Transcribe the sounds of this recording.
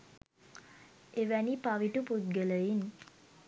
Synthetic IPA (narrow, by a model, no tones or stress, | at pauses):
eʋænipaʋiʈuput̪̚ɡələin